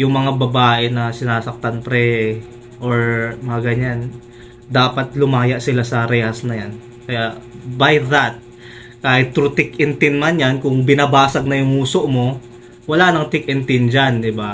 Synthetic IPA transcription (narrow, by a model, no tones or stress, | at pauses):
jʊŋmɐŋabɐbaːʔɛnɐsɪnaːsɐk̚t̪ɐnpɾɛ | ʔoɹmɐŋaɡɐɲan | d̪aːpɐt̪̚lʊmaːjɐʔsɪlasɐɾɛːhɐsnɐjan | kɐjaʔbajðat̪̚ | kaːhɪt̪ːɾʊt̪ɪkʔɪnt̪ɪnmanjankʊŋbɪnɐbaːsɐɡ̚nɐjʊŋuːsoʔmo̞ | wɐlanɐŋt̪ɪk̚ʔɪnt̪ɪnd͡ʒand̪ɪba